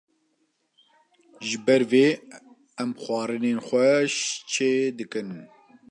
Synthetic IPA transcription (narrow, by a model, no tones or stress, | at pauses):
ʒɨbɛɾveː | ɛmxwʷɑːɾɨneːnxʷɛʃt͡ʃʰeːd̪ɨkɨn